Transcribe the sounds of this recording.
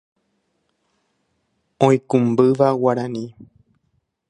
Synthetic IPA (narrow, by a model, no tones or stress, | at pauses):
õĩkũmbɨʋawaɾãnĩ